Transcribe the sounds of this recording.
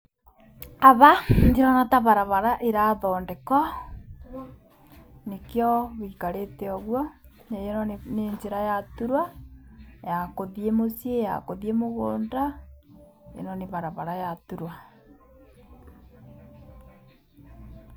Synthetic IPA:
aβandiɾanataβaɾaβaɾaʔeɾaðɔndekɔ | nekjɔβikaɾeteɔɣwa | nejenɔneɲd͡ʒeɾajatuɾwa | jakoðiemosieja̰koðiemoɣoːnda | ḛnɔneβaɾaβaɾajatuɾwa

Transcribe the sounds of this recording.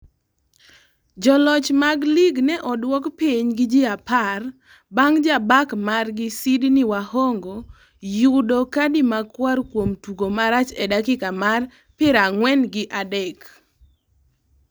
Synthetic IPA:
d͡ʒɔlɔt͡ʃmaɡliɡnɛʔɔdwɔkpiɲɡɪd͡ʒɪapar | baŋd͡ʒabakmarɡɪsidnɪwahoɔŋɡo | jʊdokadɪmakwarkwomtuɡomaɾat͡ʃɛdakɪkamar | pɪɾaŋwɛnɡɪʔadɛk

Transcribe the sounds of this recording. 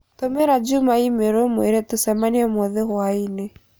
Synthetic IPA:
tɔmɛɾad͡ʒumaimeɾomweɾetusɛmaniamwɔðehwainɛ

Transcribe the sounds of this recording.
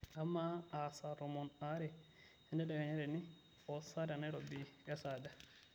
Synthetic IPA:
amːaasaɾɔmɔnaɾɛ | ɛndɛɗaɡaɲaɾɛni | ɔsaɾanaɾɔbijasada

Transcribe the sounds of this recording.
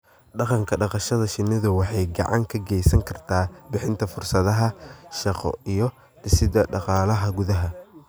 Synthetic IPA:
ɖɑqɑŋkʰɐɖɑqɑʃɐðɐʃɪnɪðʊwɑħɑjɡɑ̰ʕɑŋkʰɐɡɛjsɐŋkʰɐrt̪ʰaːbɪħɪnt̪ʰɐfʊrsɐðɐɦɐʃɑqɔ̰ijɔ | d̪̥ɪsɪd̪ɐɖɑqɑːlɐɦɐɡʊðɐɦɐ

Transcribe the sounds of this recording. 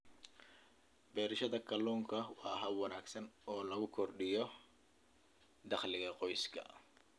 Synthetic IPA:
bɛːɾɪʃɐðɐkʰɐluːŋkʰɐwɑːɦɐwɐnaːɡsɐnɔːlɐɣʊkʰɔrɖɪjɔ | d̪ɑχlɪɣɐqɔjskʰɐ̰

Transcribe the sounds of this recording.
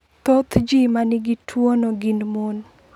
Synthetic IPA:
t̪ot̪d͡ʒimanɪɡitʰwonoɡɪnmon

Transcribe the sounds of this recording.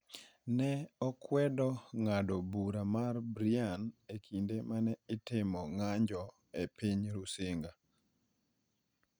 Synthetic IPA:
nɛɔkwɛdɔŋadɔbuɾamarbɾianekʰindemanɛɪtɪmɔŋaɲd͡ʒɔ | epiɲɾusɪŋɡa

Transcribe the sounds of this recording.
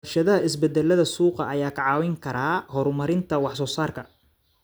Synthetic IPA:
ʃɐðɐɦɐɪsbɛd̪ɛlːɐðɐsuːqɐʔːjaːkʰɐʕɑːwɛŋkʰɐɾaːhɔɾmɐɾɪnt̪ʰɐwɑħsɔːsaːrkʰɐ

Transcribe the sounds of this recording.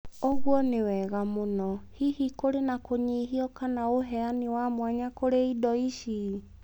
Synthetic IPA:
oɣwɔnewɛɣamonɔhihikoɾenakoɲiɦiɔkanaoɦɛanewamwaɲakoɾeidɔiʃi

